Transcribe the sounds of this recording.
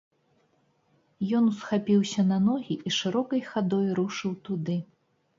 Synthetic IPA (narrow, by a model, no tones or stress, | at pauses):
jɔnusxapʲiwsʲɐnɐnɔɣʲiʔiʂɨɾɔkɐjxad̪ɔjɾuʂɨwt̪ud̪ɨ